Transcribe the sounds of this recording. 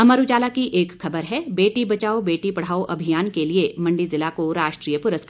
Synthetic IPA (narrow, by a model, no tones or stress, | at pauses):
ɐmɐɾud͡ʒaːlakiʔeːkxɐbəɾɦɛbeːʈibɐt͡ʃaːobeːʈipɐɽ̤aːoʔɐbʱijaːnkeliemɐ̃ɳɖizɪlakoɾaːʃʈɾiːjəpʊɾəsk